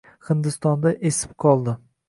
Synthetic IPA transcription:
hɪnd̪ɪst̪ɒnd̪aʔesɪ̥p̚qʰɒlˠd̪ɪ

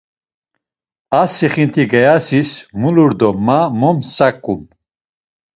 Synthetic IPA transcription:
asiχint̪ʰiɡɛjasismuluɾd̪ɔmːamɔmsakʼːum

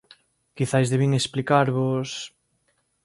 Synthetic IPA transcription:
kiθajzðeβiŋesplikaɾβos

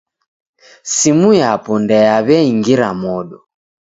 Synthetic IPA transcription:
simujapɔndɛjaβɛiŋɡiɾamɔɗɔ

